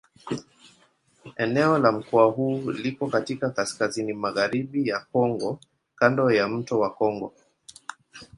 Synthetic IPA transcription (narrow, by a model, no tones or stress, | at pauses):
ɛnɛɔlam̩kɔaɦuːlikɔkatikakaskazinimaɣaɾiɓijakɔŋɡɔ | kandɔjam̩tɔwakɔŋɡɔ